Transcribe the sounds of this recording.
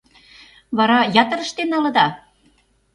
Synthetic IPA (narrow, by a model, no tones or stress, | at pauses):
βɑɾɑjɑt̪ə̆ɾə̆ʃt̪enːɑlɤ̆d̪ɑ